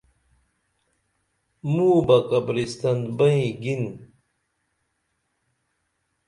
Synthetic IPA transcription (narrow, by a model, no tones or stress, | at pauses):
muːbɐkɐbɾist̪ɐnd̪bɐĩɡin